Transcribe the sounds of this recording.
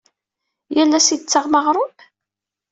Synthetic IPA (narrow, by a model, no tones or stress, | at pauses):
jælːæsit͡sːəʁməʁɾˤʊm